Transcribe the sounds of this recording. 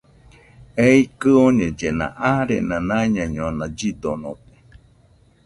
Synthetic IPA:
eikɨoɲẽd͡ʒenã̰ʔaɾḛnãnãɲãɲõnãd͡ʒid̪onõt̪e̥

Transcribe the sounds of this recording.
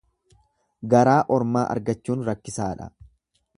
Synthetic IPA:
ɡɐɾaːʔɔɾmaːʔɐ̰ɾɡɐt͡ʃːuːnɾɐkːɪsaːᶑɐ̰

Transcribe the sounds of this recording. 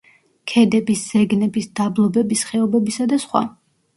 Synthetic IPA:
kʰɛd̪ɛbisz̥ɛɡnɛbisd̪ablˠɔbɛbisχɛɔbɛbisad̪asχwa̰

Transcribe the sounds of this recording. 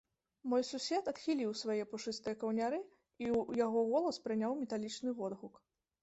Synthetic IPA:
mɔjsusʲɛt̪ɐt̪xʲilʲiwsvajɛpɔʂɨst̪ɨjɐkɐwnʲaɾɨ | ijaɣɔɣɔlˠɐspɾɨnʲawmʲɛt̪alʲit͡ʂnɨvɔd̪ɣuk

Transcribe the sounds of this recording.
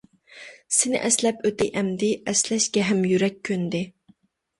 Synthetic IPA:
sɪnɪ̰ʔɛslɛpøt̪ɪʔɛmd̪ɪʔɛslɛʃkʲɛɦɛmjyɾɛkʲʰːønd̪ɪ

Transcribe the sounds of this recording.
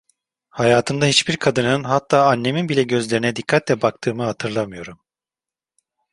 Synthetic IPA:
hajaːt̪ʰɯnd̪ahit͡ʃbiɾkʰad̪ɯnɯnɦat̪ʰːaːanːe̞minbilʲɛɟø̞zlʲe̞ɾinɛd̪ikʰːat̪lʲɛbak̚t̪ʰɯːmɯhat̪ʰɯɾlˠamɯjo̞ɾum

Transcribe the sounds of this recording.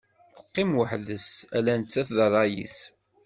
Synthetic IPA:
θə̥qːɪmwəħðəsælænət͡sːæθðərˤːɑjḭs

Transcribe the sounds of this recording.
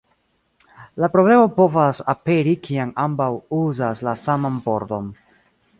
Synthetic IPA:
lapɾo̞ble̞mo̞po̞vasape̞ɾikiamambawuzaslasamanpo̞ɾto̞n

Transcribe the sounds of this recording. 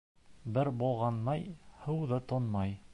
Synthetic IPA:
bɘɾbulˠʁɑnmɑjhɤ̆wðɤt̪onmɑj

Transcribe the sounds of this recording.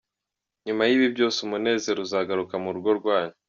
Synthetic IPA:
ɲumajiβibɟo̞ːsumune̞ːze̞ɾuzaːɡaɾukamuɾɡo̞ɾɡwaːɲi

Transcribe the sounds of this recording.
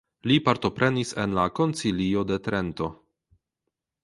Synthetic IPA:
lipaɾto̞pɾe̞nise̞̰nlako̞nt͡silio̞de̞t̪ɾe̞nto̞

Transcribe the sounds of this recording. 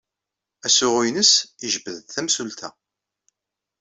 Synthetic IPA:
æsʊʁinəsiʒəbəðθæmsult̪ʰæ̰

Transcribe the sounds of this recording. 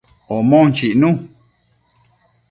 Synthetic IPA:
omõnt͡ʃiʔnũ

